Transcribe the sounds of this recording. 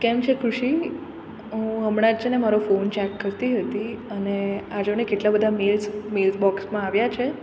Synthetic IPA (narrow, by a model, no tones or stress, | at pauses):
kɛmt͡ʃʰekʰɾuʂi | ɦəmɽ̃ãt͡ʃʰenemaɾofont͡ʃɛkːəɾt̪iɦət̪iənead͡ʒonekeʈlabəd̪ʱamelsmelsbɔksmãaʋjat͡ʃʰe